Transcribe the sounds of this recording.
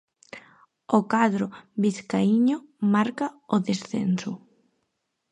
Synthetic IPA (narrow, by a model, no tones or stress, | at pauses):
okaðɾʊβiθkaiɲʊmaɾkaʊðesθḛnsʊ